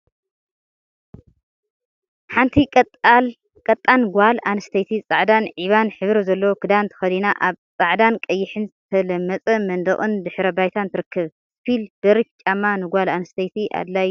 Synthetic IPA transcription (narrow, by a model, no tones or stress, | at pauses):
ħant̪ʰi | kʼɐt̪ʼːanɡʷalanɐst̪ʰejt̪ʰit͡sʼaʕd̪anʕiβanħɨβɾɐzɐlːɐwokʰɨd̪ant̪ʰɐ̥xɐd̪inaʔaβt͡sʼaʕd̪ankʼɐjːɪħɨnzɨt̪ʰɐlɐmːɐt͡sʼɐmɐnd̪ɐχʼɨnd̪ɨħɾɐbajt̪ʰant̪ʰɨɾɨkːɨβ | spʰilb̥ɐɾift͡ʃʼamːanɨɡʷalanɐst̪ʰejt̪ʰiʔa̰d̪laj